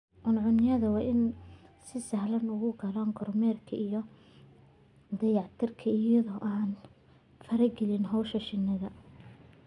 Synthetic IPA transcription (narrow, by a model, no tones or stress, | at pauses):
ʕʊnʕʊnɪjɐðɐwɑːʔɪnsɪsɐhlɐnʊɣʊɡɐlɔːŋɡɔrmɛːrkʰɐijɔ | d̪ɐjɑʕt̪ʰɪrkʰɐɪjɐðɔːʔaːn | fɐɾɐɡɛlɪnɦɔwʃɐʃɪnːɐðɐ